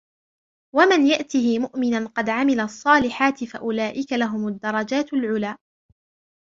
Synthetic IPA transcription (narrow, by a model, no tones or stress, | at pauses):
wamɪnjaʔt̪ɪhɪmʊʔmɪnanqɑd̪ʕamɪlasˤːɑːlɪħaːt̪ɪfa̰ʔʊlaːʔɪkalaɦʊmʊd̪ːɑɾˤɑd͡ʒaːt̪alʕʊlaː